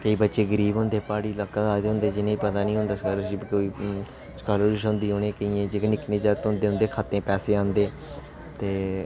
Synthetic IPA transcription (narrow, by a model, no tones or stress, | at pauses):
kəiːbətːʃeːɡəɾiːbɦʊ̃nd̪eːpaːɽiːləkːd̪aːt̪eɦʊ̃nd̪eːd͡ʒɪnẽːipət̪aːnĩːɦʊ̃nd̪aːskələsibkoːiː | skaːloːɾɪʃɦʊ̃nd̪iːɦoːnẽːkəĩːẽːd͡ʒeknɪkneːd͡ʒaːt̪ːnd̪eːɦʊ̃nd̪eːkʰaːt̪ẽːpɛːseːãːnd̪eː | t̪eː